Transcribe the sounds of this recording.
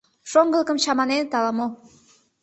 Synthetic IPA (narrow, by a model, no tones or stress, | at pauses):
ʃoŋɡəlˠəkə̆mt͡ɕɑmɑnent̪ɑlɑmo